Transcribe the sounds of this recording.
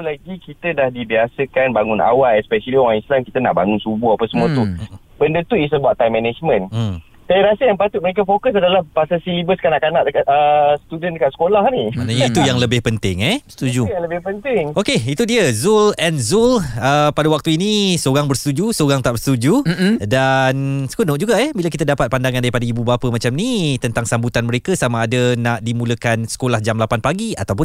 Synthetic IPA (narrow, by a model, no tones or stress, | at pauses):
ulaɡikit̪ədahdibiasəkanbaŋuna̰waʔɛspɛʃəliɔ̃ãŋislamkit̪əna̰ʔbaŋunsubuɦapasəmũət̪u | bəndət̪uis̬əbaʔt̪ːajmːɛnɛd͡ʒmə̃n | sajaɾasəjaŋpat̪ʊt̪̚mə̃ek̬afokəs̬adalahpasasilibəskanaʔkanaʔdəkat̪̚əsət̪udəndəkaʔ̪sə̥kolahnimãnaɲait̪ujaŋləbɪhpənt̪ɪŋɛst̪ud͡ʒujaŋləbɪhpənt̪ɪŋokeit̪udiəzulɛnzuləpadawak̚t̪uinĩsoɾaŋbərsə̥t̪ud͡ʒusoɾaŋt̪aʔbəst̪ud͡ʒudansə̥kunõʔd͡ʒuɡaɛhbilak̬it̪̬adapat̪̚pandaŋandaɾipadaibubapəmat͡ʃamnit̪ənt̪aŋsambut̪anməɾekasamaːdanaʔdimũləkansə̥kolahd͡ʒamlapanpaɡia̰t̪awpʊn